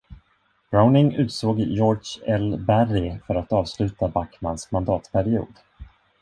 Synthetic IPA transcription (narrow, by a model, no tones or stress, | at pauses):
b̥ɾaʊnɪŋʉ̟ːt̪soːɡjɔːɖʂɛlbærɪfœɾat̪ɑːvslʉ̟ːt̪abakma̰nsmand̪ɑːt̪pʰæɾɪṵːd̪